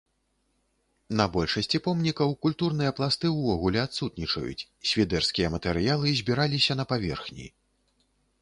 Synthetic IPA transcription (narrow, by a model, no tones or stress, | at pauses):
nɐbɔlʲʂɐsʲt͡sʲipɔmnʲikɐwkulʲt̪urn̪ɨjɐplˠast̪ɨwvɔɣulʲɛat̪sut̪nʲit͡ʂɐ̰jṵt͡sʲ | sʲvʲid̪ɛrskʲijɐmɐt̪ɛɾɨjalˠɨzʲbʲiɾalʲisʲɐnɐpavʲɛ̰rxnʲḭ